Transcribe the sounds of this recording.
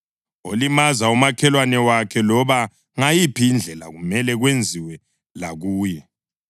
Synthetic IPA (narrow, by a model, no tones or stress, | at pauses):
olimazaumakʰɛlwanɛwakʰɛlɔβa | ŋajipʰiːnd͡ɮʱɛla̰ɣumɛlɛɣwend͡zʱiwɛ | laɣuːjɛ